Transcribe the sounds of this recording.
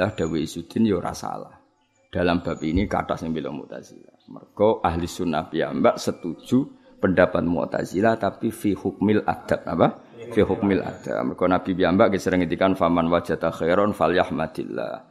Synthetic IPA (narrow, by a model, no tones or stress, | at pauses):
ahd̥awiisud̪ɪnjoɾa̰sa̰la̰h | d̥alamb̥ap̚inika̰ta̰sɪŋbilɔ̰mṵʔt̪a̰zilamə̰rɡ̥ɔʔaɦlisunːa̰hpia̰mbaʔsət̪u̥d͡ʒ̥u | pəndapat̪̚mṵt̪a̰zilaht̪apifihʊk̚mɪlʔa̰d̪̥ap̚apa | fihʊk̚mɪlʔa̰d̪̥a̰p̚mərkɔnab̥ipiambaʔɡisəɾəŋit̪ikanfamanwḁd͡ʒ̥at̪axeɾɔnfaljahmad̪ḭlːa̰